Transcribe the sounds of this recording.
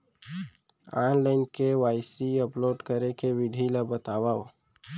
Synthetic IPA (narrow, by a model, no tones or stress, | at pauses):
aːnlaːɪnkewaːɪsiəploːɖkəɾekeʋɪɖʱilabət̪aːwa